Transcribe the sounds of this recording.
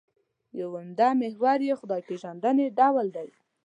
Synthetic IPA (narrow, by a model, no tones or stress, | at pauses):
jawamd̪amehwaɾjexʊd̪ɑjpeʒand̪əneɖawld̪aj